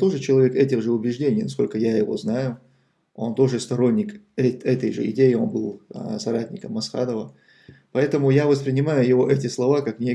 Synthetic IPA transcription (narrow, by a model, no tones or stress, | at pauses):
t̪o̞ʐɨt͡ɕɪlˠɐvʲe̞kɛtʲɪɣʐɨʊbʲɪʐdʲenʲɪjnɐsko̞lʲkəjajɪvo̞̰znajʊ | o̞nt̪o̞ʐɨst̪ɐɾo̞nʲːɪkɛɛt̪əjʐɨ̰ɪ̰dʲejɪo̞̰nbɨlˠsɐɾatʲnʲɪkəmɐsxa̰d̪əvə | pɐɛt̪əmʊjavəspɾʲɪnʲɪmajʊjɪvoʔɛtʲɪslˠɐvakaknʲe